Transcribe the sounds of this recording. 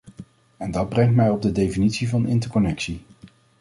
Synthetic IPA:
ɛndɑd̚brɛŋtmɛjɔb̚dədejfinitsivɑnɪntəɹkɔnɛksi

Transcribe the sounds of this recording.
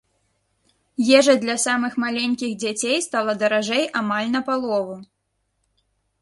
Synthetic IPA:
jɛʐɐd̪lʲɐsamɨxmalʲenʲkʲiɣd͡zʲat͡sʲejst̪alˠɐd̪ɐɾaʐɛjʔamalʲnɐpalˠɔvu

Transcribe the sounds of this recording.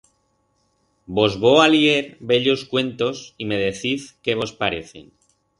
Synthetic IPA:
bo̞zβo̞alieɾbe̞ʎo̞skwe̞nt̪o̞sime̞ð̞e̞θiθkeβo̞spaɾeθḛn

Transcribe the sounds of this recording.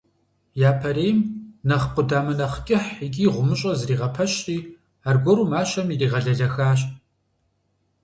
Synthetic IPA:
jaːpʰɐɾeːjmnɐχqʷʊdaːmɐnɐχkʲʼɪħiɡʲiːʁʷʊmɨɕʼɐzriːʁɐpʰɐɕʼiː | arɡʷɔɾuːmaːʃɐmiriːʁɐɮɐɮɐxaːɕ̬ʼ

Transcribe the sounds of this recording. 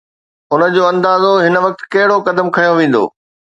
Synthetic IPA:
ʊnə̆d͡ʑoːɐ̃nd̪aːzoɦɪnə̆ʋɐk̚t̪̆kɐɦɪɽokɐd̪əmkʰɐjoʋẽːn̆d̪o̰ː

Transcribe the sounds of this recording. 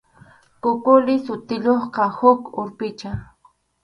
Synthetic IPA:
kʊkʊlɪsʊt̪ɪʎoχqɑhʊkʊɾpɪt͡ʃa

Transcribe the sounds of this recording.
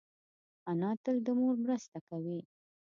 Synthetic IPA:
anɑt̪əld̪əmoɾmɾəst̪akawi

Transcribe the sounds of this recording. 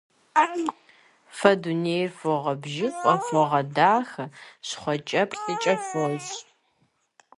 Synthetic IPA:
fɐduneːjrfɔʁɐbʒɪqʷʼɔfɔʁɐdaːxɕχʷɔt͡ʃʼɐpʰɬɨt͡ʃʼɐfoɕ

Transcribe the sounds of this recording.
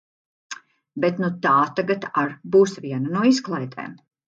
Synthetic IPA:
bet̪nut̪aːt̪aɡat̪aɾbuːsvʲiɛnanuɔisklˠajʲt̪ʰɛ̰ːm

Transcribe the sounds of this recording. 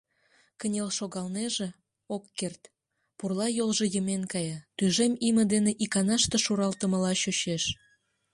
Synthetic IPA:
kənʲelʃoɣɑlneʒĕ | okːert̪ | purlɑjolʒĕjəmenkɑjɑt̪yjʒemimə̆d̪eneʔikɑnɑʃt̪eʃuɾɑlt̪ə̆məlɑɕøɕeʃ

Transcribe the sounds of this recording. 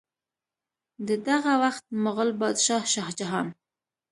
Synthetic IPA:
d̪əd̪aɣawaxt̪̚məɣəlbɑd̪ʃɑhʃɑhd͡ʒaɦɑn

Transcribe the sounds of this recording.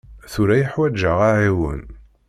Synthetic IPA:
θʊɾæjəħwæd͡ʒːəʁaʕiwə̰n

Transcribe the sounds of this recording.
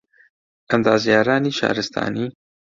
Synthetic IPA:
ʔəmd̪aːzjaːɾaːniːʃɑ̰ːɾɨst̪ʰa̰ːniː

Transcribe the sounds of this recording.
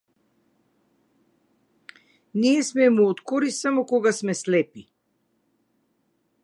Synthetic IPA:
niɛsmɛmuɔt̪kɔɾisamɔkɔɡasmɛslɛpi

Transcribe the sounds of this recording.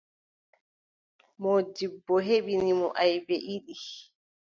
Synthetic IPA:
mɔdibːɔɦeɓinimɔʔajbɛʔiɗi

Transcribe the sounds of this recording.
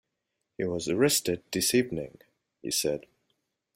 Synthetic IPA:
hiwʌzəɹɛstɨd̚d̥ɪsivnɪ̰̃ŋ | hḭsɛd̥

